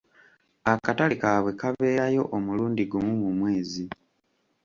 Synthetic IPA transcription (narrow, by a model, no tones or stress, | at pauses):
akatalikaβwe̞kaβe̞ːɾajo̞ʔomuluːndiɡumumumwe̞ːzi